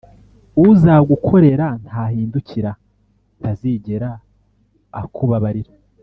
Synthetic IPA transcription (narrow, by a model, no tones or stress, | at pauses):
uzaɡukʰo̞ɾe̞ɾan̥thaːhiːnduciɾa | tʰaziɟeɾa̰ː | kʰuβaβaɾiɾa